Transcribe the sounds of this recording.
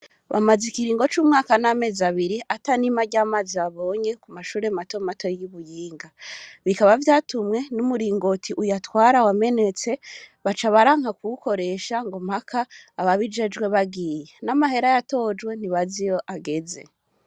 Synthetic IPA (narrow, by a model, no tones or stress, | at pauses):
βa̰mazikiɾiːŋɡo̞t͡ʃuːmŋaːkaname̞ːzaβiɾiʔatanimaɟaːmaziaβo̞ːɲe̞kumaʃuːɾemato̞mato̞juβujiːŋɡaβikaβavjatumŋe̞numuɾiːŋɡo̞tʰiʔujatwaːɾawame̞ne̞t͡se̞βat͡ʃaβaɾaːŋ̥hakuuko̞ɾe̞ʃaŋɡomhakʰaːβaβid͡ʒe̞d͡ʒɡwe̞βaɡije̞namaɦe̞ɾajato̞d͡ʒɡwe̞n̥iβazijo̞ʔaɡe̞ze̞̰